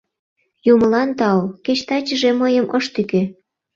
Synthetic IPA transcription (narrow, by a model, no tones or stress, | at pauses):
juməlɑnt̪ɑwket͡ɕt̪ɑt͡ɕəʒeməjəmʔəʃt̪yke